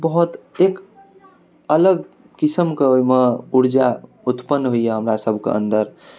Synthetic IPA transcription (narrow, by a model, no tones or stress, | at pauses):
bəɦut̪ek | ələɡ̚ | kisəmkeojmeuɾd͡ʒa | ut̪pənːɦoijeɦəmɾasəbʱkḛə̰̃nd̪əɾ